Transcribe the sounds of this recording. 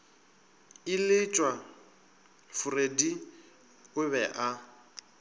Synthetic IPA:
ɪlɪt͡ʃʼwa | fʊredi | ʊβɛʔa

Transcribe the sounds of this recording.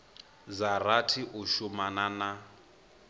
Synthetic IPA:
d͡zaratʰiʔuʃumanana

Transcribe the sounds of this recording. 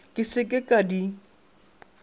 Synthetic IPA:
kʼɪsɪkʼɪkʼadi

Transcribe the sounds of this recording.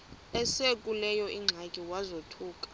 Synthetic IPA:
ɛsekʼulɛjɔʔiŋ͡ǁʱakʼiwazotʰuːkʼḁ

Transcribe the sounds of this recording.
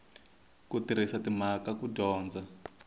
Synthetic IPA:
kutiɾ̤isatim̤akakuɟɔːnd͡za

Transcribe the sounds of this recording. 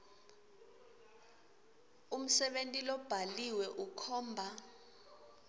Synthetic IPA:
um̩sɛɓentʼilɔb̥ʱaliwɛʔukʰɔːmbʱa

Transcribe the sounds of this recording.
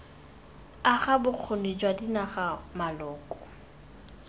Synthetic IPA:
aχabʊq͡χʰonid͡ʒwadinaχamalɔːkʼɔ̥

